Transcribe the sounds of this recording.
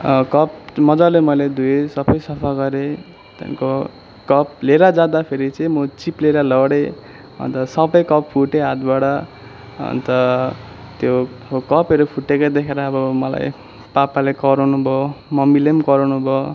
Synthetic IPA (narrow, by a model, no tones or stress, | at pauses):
kʌp̚mʌd͡zalemʌjled̪usʌbʌjsʌpʰaɡʌɾe | t̪ja̰nko | kʌp̚leɾad͡zad̪apʰeɾit͡sʌĩmot͡sipleɾalʌɽe | ʌ̰nt̪ʌsʌbʌjkʌppʰuʈeɦat̪baɽʌ | ʌ̰nt̪ʌ | t̪jo | kʌpʌɾupʰuʈːekʌd̪ekʰeɾaːbʌmʌla̰j | papalekʌɾonubʱomʌmilemkʌɾawnubʱo